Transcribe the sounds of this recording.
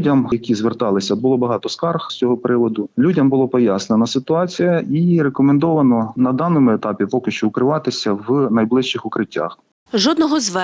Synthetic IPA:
dʲɐmjɐkʲizʋert̪ɑlˠɪsʲɐbʊlˠɔbɐɦɑt̪ɔskɑrxsʲt͡sʲɔɦɔpɾɪʋɔd̪ʊlʲudʲɐmbʊlˠɔpɔjasnenɐsɪt̪ʊɑt͡sʲijɐʔiɾekɔmɛnd̪ɔʋɐnɔnɐd̪ɑnɔmʊet̪ɑpʲipɔkɪʃt͡ʃɔʊkɾɪʋɑt̪ɪsʲɐwnɐjblˠɪʃt͡ʃɪxʊkɾɪtʲːa̰x | ʒɔd̪nɔɦɔzʋɛ

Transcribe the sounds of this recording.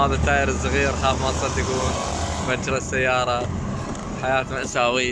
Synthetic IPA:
aːðˤat̪ːaːjɪɾɪzːaɣiːɾħaːfmɑnsˤɑlːjakuːn | baɾasːajːɑːɾˤɑ | ħajaːt̪naʔasaːwɪjːa

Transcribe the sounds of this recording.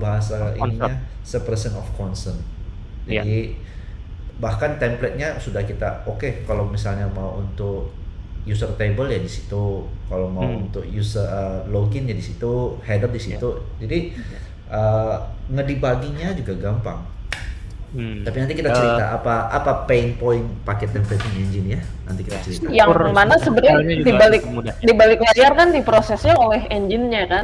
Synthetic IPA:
baɦas̬aḭniɲa | səpərsənɔfkɔnsərn | d͡ʒadi | bahkant̪ɛmplɛt̪̚ɲasudahkit̪a̰okekalowmisalɲamauʔunt̪ʊk̚ | jusərt̪ebəljadisi̥t̪ukalomauunt̪ʊk̚jusərəloɡɪnjadisit̪uhɛdərdisit̪u | d͡ʒadi | ʔəːŋədibaɡiɲad͡ʒuɡaɡampa̰ŋ | t̪apinant̪ikit̪at͡ʃəɾit̪a̰ʔapaʔa̰papeinpoɪnpakɛt̪̚ɛmpɛt̪iŋɛɲd͡ʒɪnjana̰nt̪ikit̪at͡ʃəɾit̪ajaŋmanasəbəɾadibalɪk̚dibalɪklaarkandipɾosɛsɲaolɛɦɛɲd͡ʒɪnɲakan

